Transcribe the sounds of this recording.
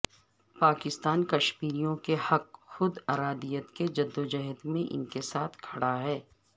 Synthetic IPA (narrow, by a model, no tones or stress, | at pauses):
paːkɪst̪aːnkɐʃmiːɾijõkehɐkxʊd̪ɐːɾaːd̪ijət̪ked͡ʒɐd̪ːod͡ʒɛɦət̪mẽʔɪ̰nkesaːt̪ʰkʰɐɽaɦɛː